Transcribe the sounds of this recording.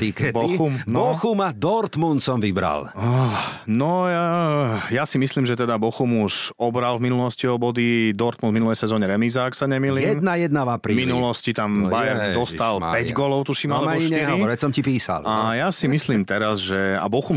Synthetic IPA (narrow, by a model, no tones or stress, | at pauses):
t̪ikɛbɔumbɔxumad̪ɔɾt̪munt̪sɔmʋibɾa̰lanɔjajasimisliːmʒɛt̪ɛd̪abɔxumuʃɔbɾalvminulɔsciɔbɔd̪id̪ɔɾt̪munvminulɛjsɛzɔːɲɛɾɛmizaksaɲɛmiːlijːɛmnajɛd̪navapɾiːminulɔscit̪ambajɛɾd̪ɔst̪al̰pɛɟɡɔlɔʊt̪uʃiːmalɛaɔɲiʃtɲiɦɾɔiɔɾɛsɔmcipiːsa̰lajasimislimt̪ɛɾazʒɛa̰bɔxum